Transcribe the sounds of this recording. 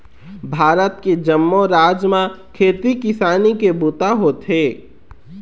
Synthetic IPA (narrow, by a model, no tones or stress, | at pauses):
bʱaːɾət̪ked͡ʒəmːoɾaːd͡ʒmãkʰeːt̪ikɪsaːnikebut̪aɦoːt̪ɦeː